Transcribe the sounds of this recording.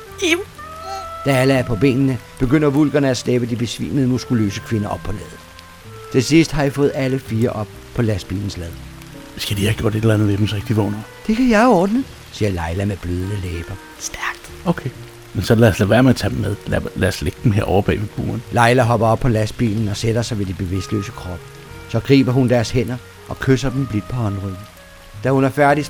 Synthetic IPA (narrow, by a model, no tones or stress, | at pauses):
em | d̥ææləæɐpʰɒ̽b̥ḛːnnəb̥e̝ɡ̥øn̰ɐʋulɡ̥ɐnəæsleb̥əd̥ib̥e̝sʋḭːməð̩ˠmusɡ̥ulø̰ːsəkʰʋe̝nɐʔɒ̽b̥̚pʰɒ̽lɛð̩ˠ | t͡sʰe̝sisd̥hɑ̈jifɔ̽ːð̩ˠæləfiːɐʔɒ̽b̥̚ | pʰɒ̽læsb̥ḭːln̩slɛð̞ˠ | sɡ̥æd̥ihæɡ̥jo̝ɐ̰d̥e̝delænðˠʋed̥emsʁeɡ̥d̥iʋɔ̰ːnɐd̥e̝kʰæjɑ̈ɪæɒːd̥n̩əð̩ˠ | siːɐlɑ̈ɪlæmeb̥løːð̞ˠnəleːb̥ɐ | sd̥æɐɡ̥̚d̥ | oʊkʰeɪ | mensɒ̽læɐslæʋæɐmeɐt͡sʰæd̥mːeð̞ˠllæɐsleɡ̥̚d̥em̩ɦḛɐ̰ɒ̰ʊɐb̥ɛ̰ːʋeb̥ṵːɐnlɑ̈ɪlæɦɒ̽b̥ɐɒ̽b̥pʰɒ̽læsb̥ḭːln̩ɒ̽sed̥ɐsɑ̈ɪʋe̝dib̥e̝ʋe̝sd̥lø̰ːsəkʰʁɒ̽b̥ə | sɒ̽ɡ̥ʁḭːb̥ɐɦund̥æɐshen̰ɐ | ʔɒ̽kʰøsɐd̥emb̥lid̥̚pʰɒ̽hɒ̽nʁyð̩ | d̥æhunæɐfæɐɾis